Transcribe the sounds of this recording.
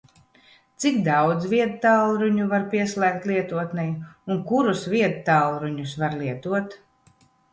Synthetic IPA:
t̪sikd̪awd̪zvʲiɛd̪t̪alˠɾuɲuvaɾpiɛslɛːk̚t̪lʲˠiɛt̪uɔt̪nɛjunkuɾusviɛd̪t̪alˠɾuɲusvaɾliɛt̪uɔt̪

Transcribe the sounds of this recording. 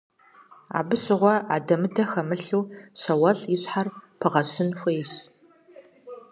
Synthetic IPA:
a̰ːbɨɕɪʁʷɔʔa̰ːdɐmɨdʰɐxɐmɨɬuːɕɐwɐɬiɕħarpʰɨʁɐɕɪnxʷeːɕ

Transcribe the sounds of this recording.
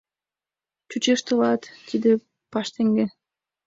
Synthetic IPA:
t͡ɕut͡ɕeʃt̪ɤ̆lɑt̪ːid̪e | pɑʃt̪eŋɡe

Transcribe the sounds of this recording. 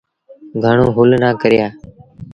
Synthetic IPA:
ɡʱəɳoːɦʊlnaːkəɾɪjaː

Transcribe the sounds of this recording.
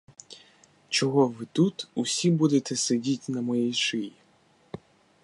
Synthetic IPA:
t͡ʃɔɦɔʋɪt̪ut̪usʲibud̪et̪ɛsedʲitʲnɐmɔjijʃɪji

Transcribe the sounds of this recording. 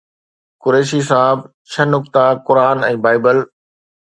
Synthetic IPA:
kʊɾeːʃis̬aːɦɪb | t͡ɕʰɐnʊk̚t̪akʊɾaːnɛ̃ːbaːɪbəl

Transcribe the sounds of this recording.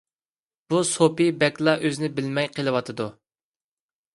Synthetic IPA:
b̥usopibɛkʲlˠɑʔøzɪnɪbɪlmɛjqʰəlˠɨwɑt̪ʰɨd̪u

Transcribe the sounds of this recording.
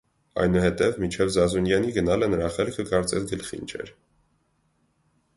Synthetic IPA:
ɑ̰jnuhɛt̪ɛvmint͡ʃʰɛvzɑzunjɑniɡənɑlənəɾɑχɛlkʰəkɑɾt͡sɛsɡəlχḭnt͡ʃʰɛ̰ɾ

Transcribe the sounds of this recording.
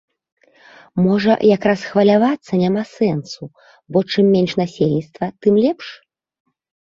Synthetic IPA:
mɔʐɐ̰jakɾasxvɐlʲavat̪sːɐnʲamasɛnsu | bɔt͡ʂɨmːʲenʲʂnasʲelʲnʲit̪st̪vɐt̪ɨmlʲɛpʂ

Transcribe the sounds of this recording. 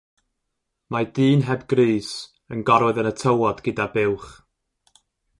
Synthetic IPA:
madiːnɦɛbɡriːs | ənɡɔɾwɛðənətʰəwɔdɡɪdabɪwχ

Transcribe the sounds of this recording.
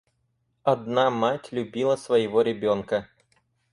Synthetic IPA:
ɐd̪namatʲlʲʉbʲilˠəsvəjɪvoɾʲɪbʲonkə

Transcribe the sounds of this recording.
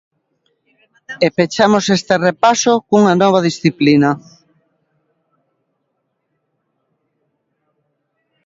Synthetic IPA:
epet͡ʃamosest̪erepasokuŋanɔβ̞að̞isθiplina

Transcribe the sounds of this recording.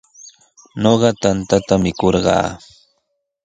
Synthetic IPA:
noɢɑt̪ant̪at̪amɪkoɾɢɑ̰ː

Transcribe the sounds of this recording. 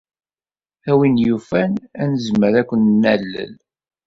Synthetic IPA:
æwinjufænænəzməɾækʷːənnælːə̰l

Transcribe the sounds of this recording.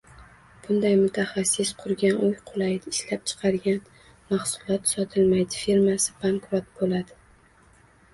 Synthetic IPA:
b̥ʊnd̪ajmʊt̪ʰaχɑsːɪsqʰʊɾɡʲanʊjqʰʊlˠajd̪ɪʃlap̚t͡ʃʰɨ̥qʰɑɾɡʲan | maχsʊlˠɒt̪sɒt̪ʰɪlmajd̪ɪfeɾmasɪbaŋkɾot̪̚bolad̪ɪ

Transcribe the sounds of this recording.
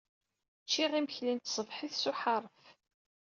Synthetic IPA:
t͡ʃːiʁiməçlint̪sˤəvħəθsuħɑɾˤf

